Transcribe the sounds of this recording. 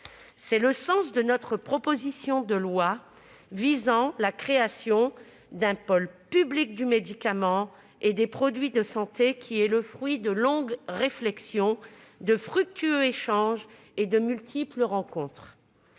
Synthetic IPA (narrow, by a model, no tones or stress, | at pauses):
sɛləsɑ̃sd̪ənɔt̪χəpχɔpozisjɔ̃d̪əlwa | vizɑ̃lakχeasjɔ̃ | d̪ɛ̃pɔlpyblik̚d̪ymed̪ikamɑ̃ | ed̪epχɔd̪ɥid̪əsɑ̃t̪ekʲʰiɛləfχɥid̪əlɔ̃ɡʁeflɛksjɔ̃ | d̪əfχyk̚t̪yøeʃɑ̃ʒ | ed̪əmylt̪ʰipləʁɑ̃kɔ̃t̪χ